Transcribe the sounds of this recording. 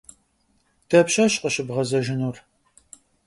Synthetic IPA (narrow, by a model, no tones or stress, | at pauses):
d̥ʰɐpɕɐɕqəɕɪbʁɐzɐʒɪnur